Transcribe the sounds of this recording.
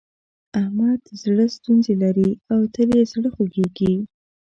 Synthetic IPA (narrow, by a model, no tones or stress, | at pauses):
ahmad̪zɽəst̪unzelaɾiawt̪əljezɽəxoɡeɡi